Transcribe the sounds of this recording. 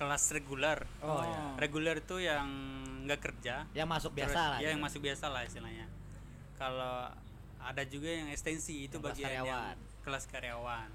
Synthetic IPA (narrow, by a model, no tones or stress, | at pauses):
kəlasreɡulɛr | reɡulɛrit̪ujaŋŋɡakərd͡ʒajaŋmasʊk̚biaajajaŋmasʊk̚biasalahist̪ilaɲa | kalo | adad͡ʒuɡajaŋɛkst̪ɛnsiːt̪ubaɡiaaan | kəlaskaɾeawan